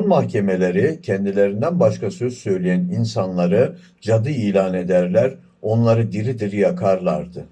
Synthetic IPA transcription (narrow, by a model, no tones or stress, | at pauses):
nmahcʰe̞me̞lʲe̞ɾicʰɛnd̪ilʲe̞ɾind̪ænbaʃkʰasø̞zsø̞jlʲijæninsanlˠaɾɯ | d͡ʒad̪ɯiːlʲaːne̞d̪æɾlʲæɾ | o̞nlˠaɾɯd̪iɾid̪iɾijakʰaɾlˠaɾd̪ɯ